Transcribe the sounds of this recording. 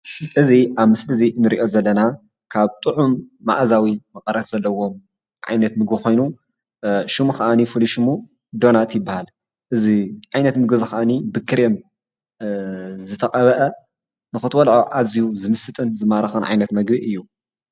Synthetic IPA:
ʔɨziʔaβmɨslɨzinɨɾiʔo̞zɐlːɐna | kʰaβt̪ʼɨʕumːa̰ʔzawimɐqʼɐɾɐt̪z̥ɐlːɐwo̞m | ʕa̰jnɐt̪mɨɡbɨxo̞jnu | ʃɨmuxɐʔanifuliʃɨmu | d̪o̞nat̪jɪbːahal | ʔɨziʕajnɐt̪mɨɡɨzɨkaʔanibɨkʰːɨɾjem | zɨt̪ʰɐqʼɐβɐʔɐ | nɨxɨt̪ʰwɐlʕoʔazijuzɨmɨsɨt̪ʼɨnzɨmaɾɐxɨnʕa̰jnɐt̪mɐɡbiʔɨjːu

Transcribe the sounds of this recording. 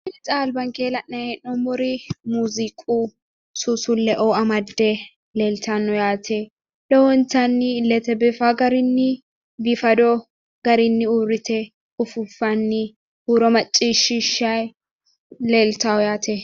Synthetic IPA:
ɪlɪt͡sʼaːlbɐŋkeːlɐnːɐjɛnɔmɔɾɪmuːzikʼu | susʊlːɛʔɔɐmɐd̪ːɛ | leːlt̪ɐnːɔjaːt̪ʰɛ | lɛwɔnt̪ɐnːɪlɛt̪ɛbɪfaɡɐɾɪnːɪ | bɪfɐd̪ɔ | ɡ̥ɐɾɪnːɪuːɾɪt̪ɛ | ʊfʊfːɐnːɪ | huːɾɔmɐt͡ʃʼːiʃɪʃɐj | leːlt̪awjaːt̪ʰɛ

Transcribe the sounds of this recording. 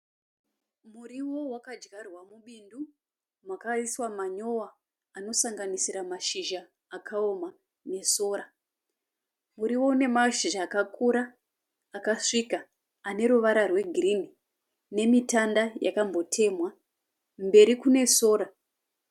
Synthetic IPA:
muriwo̞wakad͡ʒɡarwamuɓindu | mwakaiswamaɲo̞waː | no̞saŋɡanisiɾamaʃiʒaː | kʰaoma | ne̞so̞ːɾa | muɾiwo̞une̞maʃiʒaːkakʰuɾaː | kaʂika | ane̞ɾuʋaɾarwe̞ɡʱirini | ne̞mitandaja̰kambo̞tʰe̞mwa | mbe̞ɾikune̞so̞ːɾa

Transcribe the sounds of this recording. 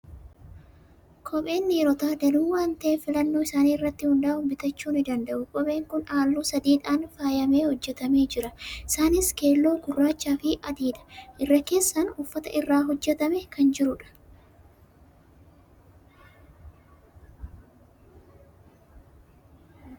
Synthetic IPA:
kʰɔɓe̞ːnːɪɾɔt̪aːd̪ɐluːwaːnt̪ɐʔeːfɪlɐnːo̞ːɪsaːniːɪrːɐt̪ːɪhʊnd̪ɐaːhʊmbɪt̪ɐt͡ʃːuːnɪd̪ɐnd̪ɐʔʊkʼɔɓe̞ːŋkʊnaːlːuːsɐd̪iːᶑaːnfaːjɐme̞ːhɔd͡ʒːɛt̪ɐme̞ːd͡ʒɪɾɐʔɪsaːnɪske̞ːlːo̞ːɡʊrːaːt͡ʃːaːfɪʔɐd̪iːᶑɐ̥ʔɪrːɐke̞ːsːɐnʊfːɐt̪ɐ̰ʔɪrːaːɦɔd͡ʒːɛt̪ɐmɛkɐnd͡ʒɪɾʊᶑɐ̥

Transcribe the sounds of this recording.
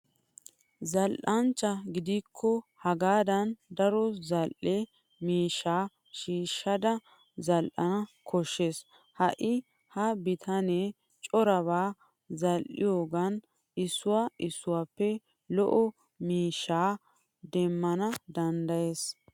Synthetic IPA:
zɐlʔɐnt͡ʃːɐɡɪd̪ikʰːɔhɐɡaːd̪ɐnd̪ɐɾɔzɐlʔɛ | miːʃːaː | ʃiːʃːɐd̪ɐ | zɐlʔɐ̰nɐkʰɔʃːes | hɐʔɪ | hɐbɪt̪ʰɐne | t͡ʃʼɔɾɐβaː | zɐlʔɪ̰joːɡɐn | ɪsːʊwaɪsːʊwaːpːɛ | lɔʔɔ | miːʃːaː | d̪ɛmːɐnɐd̪ɐnd̪ɐjeːs

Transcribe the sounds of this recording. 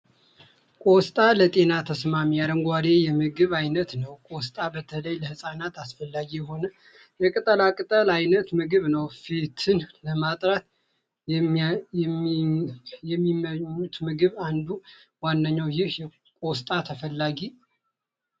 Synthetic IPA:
kʼost̪ʼalət̪ʼe̞nat̪ʰəsmamijad̪əŋɡʷad̪e̞jɛmɨɡɨβajnət̪nəwkʼost̪ʼabət̪ʰələjləhɨsʼanat̪asfəlːaɡijɛɦo̞nə | jɛkʼɨt̪ʼəlakʼɨt̪ʼəlajnət̪mɨɡɨβnəwfit̪ʰɨnləmat̪ʼɾat̪ | jɛmːiməɲːut̪mɨɡɨβand̪u | wanːəɲːawjɪhjɛ | kʼost̪ʼat̪ʰəfəlːaɡi

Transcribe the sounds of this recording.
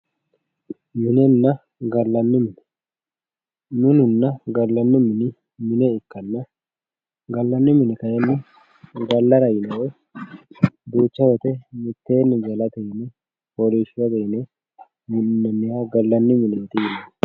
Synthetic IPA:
mɪnɛnːɐ | ɡɐlːɐnːɪmɪnɛ̥ | nʊnʊnːɐɡɐlːɐnːɪmɪnɪ | mɪnɛɪkːɐnːɐ | ɡɐlːɐnːɪmɪnɪkɐjɛnːɪ | ɡɐlːɐɾɐjɪnɐwɔj | d̪uːt͡ʃːɐwɛt̪ɛmɪt̪ːeːnːɪd͡ʒɐlɐt̪ɛjɪnɛ | poliʃwɐt̪ɛjɪnɛ | mɪnnːɛnːɪjaɡɐlːɐnːɪmɪnɛt̪ɪjɪnɐ

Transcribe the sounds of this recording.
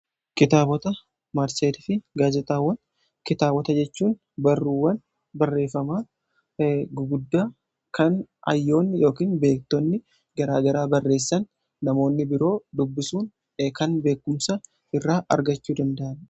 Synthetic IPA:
kɪt̪aːbɔt̪ɐ | maɾseːd̪ɪfɪɡaːzɛt̪ʼaːwːɐn | kɪt̪aːbɔt̪ɐd͡ʒɛt͡ʃːuːn | bɐrːuːwːɐn | bɐrːe̞ːfːɐmaː | ɡɡʊd̪ːaː | kɐnɐ̰jːo̞ːnːjo̞ːkiːnbe̞ːk̚t̪ɔnːɪ | ɡɐɾaːɡɐɾaːbɐrːe̞ːsːɐnː | ɐmo̞ːnːɪbɪɾo̞ːd̪ʊbːɪsuːn | kɐnbe̞ːkːʊmsɐ | ɪrːaːʔɐ̰ɾɡɐt͡ʃːuːd̪ɐnd̪ɐʔɐn

